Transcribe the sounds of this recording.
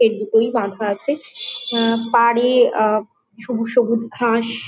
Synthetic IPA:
eɾd̪it̪ojbãd̪ʱaat͡ɕʰe | paɽe | ʃubʱuʃobud͡ʑɡʱaʃ

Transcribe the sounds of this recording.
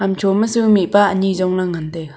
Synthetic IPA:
amt͡ʃʰoməsɯŋmiʔpaʔəɲizɔŋlaŋand̪e

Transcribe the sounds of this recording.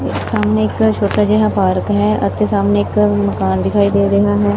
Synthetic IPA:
ɪksaːmneɪkt͡ʃʰoːʈad͡ʒeɦapaːɾəkɦɛːə̰t̪esaːmneɪkməkaːnd̪ɪkʰaːid̪eːɾeɦaɦɛː

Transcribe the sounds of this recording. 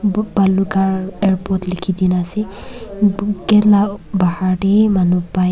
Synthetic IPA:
balukaɹɛɹpɔtlikʰidinasɛ | ɡɛtlabahaɹdemanupa

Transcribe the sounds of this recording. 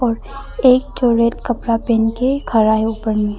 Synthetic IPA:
ɔːɾ | eːk̚t͡ʃoːɾeːt̪kəpɾapeːnkekʰaɾaɦeuːpəɾmẽ

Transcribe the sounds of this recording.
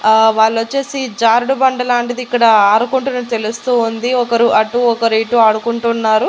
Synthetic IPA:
ʋaːɭːot͡ʃːeːsid͡ʒaːɾɖubɐɳɖɐlaːɳʈid̪iːkːɐɽɐaːɽukuɳʈunɐt̪e̞lust̪uːund̪iɔkɐɾuʔɐʈuɔkɐɾiːʈuaːɽukuɳʈunːaːɾu

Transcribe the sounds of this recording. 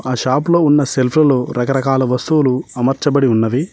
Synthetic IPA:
aːʃaːploːunːɐselpʰɾɐloːɾɐkɐɾɐkaːlɐʋɐst̪uwːluɐmɐɾt͡ʃɐbɐɽiunːɐʋi

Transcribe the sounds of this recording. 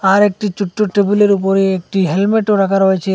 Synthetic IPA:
aɾek̚ʈit͡ʃuʈːoʈɾebuleɾup̬oɾeek̚ʈiɦelmeʈoɾakʰaɾojet͡ɕʰe

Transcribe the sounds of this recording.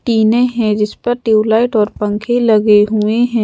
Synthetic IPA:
ʈiːneɦɛ̃d͡ʒɪspɐɾʈjuːlaːɪʈɔːɾpɐ̃ŋkʰelɐɡeɦueɦɛ̃ː

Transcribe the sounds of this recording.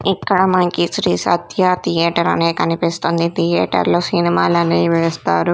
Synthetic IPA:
ikːɐɽɐmɐnɐkisɾiːsɐ̰t̪ʰjat̪ʰijɛːʈɐɾɐ̰neːkɐnipist̪ond̪it̪ʰijɛːʈɐ̰ɾloːsinimaːlɐneːʋeːst̪a̰ːɾu

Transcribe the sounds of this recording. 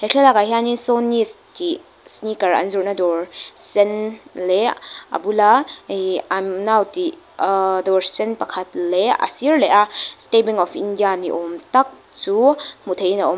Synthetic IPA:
hekʰelakaɦianisɔnːisti | snikɐɾɐ̰nzuɹnadɔɹsɛnleɐ̰bula | amnawti | dɔɹsɛnpɐkʰɐtleɐ̰siɹleʔastebiŋɔfḭndijanḭʔɔmtak̚ | t͡sumut̪ʰejnaʔɔm

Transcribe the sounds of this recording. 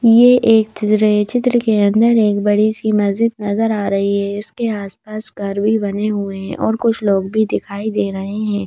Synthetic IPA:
jeʔeːkt͡ʃɪt̪ɾət͡ʃɪt̪ɾəkeɐ̃nd̪əɾeːk̚bɐɽisimɐzd͡ʒɪt̪nɐzəɾaːɾɐɦiɦɛɪskeaːspaːsɡʱɐɾbʱibɐneɦueɦɛ̰̃ʔɔːɾkʊt͡ʃʰloːɡbʱid̪ɪkʰaːid̪eːɾɐɦeɦɛ̃ː

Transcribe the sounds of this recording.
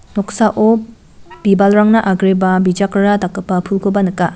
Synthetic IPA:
nɔksaʔo | bibalɾaŋnɐʔaɡɾibɐbid͡ʒakɾɐɾatakːɐpːɐpʰulkʰobɐnɯka

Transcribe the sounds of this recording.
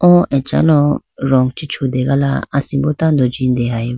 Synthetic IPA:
ɔ̃ʔɛt͡ʃa̰lɔɾɔŋɡt͡ʃit͡ʃʰod̪ɛɡala̰asĩbɔt̪and̪ɔd͡ʒind̪ɛɦai

